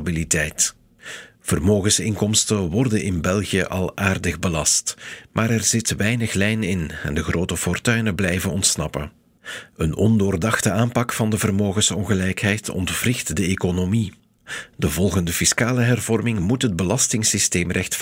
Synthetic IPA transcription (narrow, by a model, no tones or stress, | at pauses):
bilitɛjt | v̥ərmoːɣənsɪŋkɔmstəwɔrdənʔɪnbɛlˠɣijəʔɑ̰lˠʔaːrdəɣbəlɑstmʔaːɾɛrz̥ɪtʋɛjnəxlɛjnɪnɛ̰ndəɣroːtəfɔrtœɥnəblɛjvənɔntsnɑ̰pən | ənɔndoːrdɑxtəaːmpɑkfɑndəvərmoːɣəsɔŋɣəlɛjkɦɛjtʰɔ̰ntv̥rɪxtdəeːkonomi | dəvɔlˠɣəndəfiskaːləɦɛrvɔrmɪŋmutɦəd̚bəlɑstɪŋsisteːmrɛxtf